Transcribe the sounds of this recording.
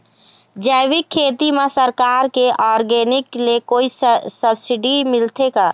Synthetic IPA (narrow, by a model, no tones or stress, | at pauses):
d͡ʒɛːwɪkʰːeːt̪imẽsəɾkaːɾkeʔɔːɾɡeːnɪklekoːisəbsɪɖimɪlt̪ʰekaː